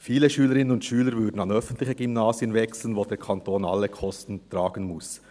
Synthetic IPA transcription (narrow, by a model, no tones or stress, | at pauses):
fiːləʃyːləɾɪnənʊntʃyːləɾvʏdn̩ɑnœfən̩tlɪçəɡymnaːsiənvɛksl̩n̩voːdeːkʰɑntʰoːna̰lːəkʰɔstn̩tɾaːɡən̩mʊs